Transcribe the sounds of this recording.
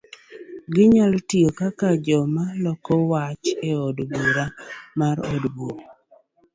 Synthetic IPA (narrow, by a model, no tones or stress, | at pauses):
ɡɪɲaltiokakad͡ʒɔmalɔkɔwat͡ʃeodbuɾamaɾo̰dbu